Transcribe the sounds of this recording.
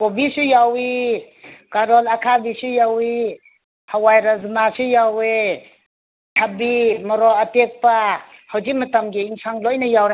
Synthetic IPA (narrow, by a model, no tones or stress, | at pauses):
kobisujawi | kaɾɔlakʰabisujawi | hawajɾazmasujawe | tʰabimɔɾɔatek̚pahawd͡ʒimɐtamɡiiŋsʰaŋlojnɐjawɾa